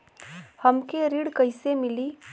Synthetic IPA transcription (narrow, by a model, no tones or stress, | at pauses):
həmkeɾiɽkəɪsemɪli